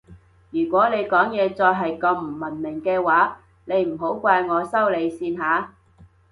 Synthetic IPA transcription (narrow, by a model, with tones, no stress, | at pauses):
jyː˨˩kʷɔː˨˥ne˨˧jkɔː˨˥ŋjɛː˨˧t͡sɔː˧jɦɐ˨jkɐ˧m̩˨˩mɐ˨˩nmɪ˨˩ŋkɛː˧waː˨˥ | ne˨˧jm̩˨˩ɦo˨˥wkʷaː˧jŋɔː˨˧sɐ˥wle˨˧jsiː˧nɦaː˨˥